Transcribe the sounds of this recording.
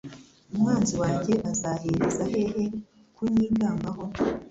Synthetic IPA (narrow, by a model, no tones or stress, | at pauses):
umŋaːnziwaːɲɟe̞ʔazaheɾezaɦe̞he̞ | kuɲiːɡaːmbaɦo̞